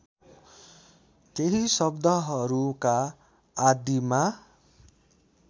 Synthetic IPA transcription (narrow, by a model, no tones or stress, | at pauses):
keɦisʌbd̪ʱʌɦʌɾukaː | d̪ima